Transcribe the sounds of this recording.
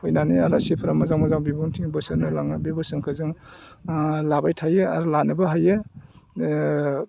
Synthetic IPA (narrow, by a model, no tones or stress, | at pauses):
hojnaniaɾasipʰɾamazaŋmazaŋbibuŋtʰiŋbɯsɯnɯlaŋabibɯsɯŋkʰɯzɯŋ | labajtʰajɯaɾlanɯbaɦajɯ